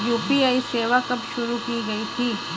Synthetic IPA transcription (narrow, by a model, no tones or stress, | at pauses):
juːpiaːiseːʋakɐbʃʊɾukiɡɐit̪ʰiː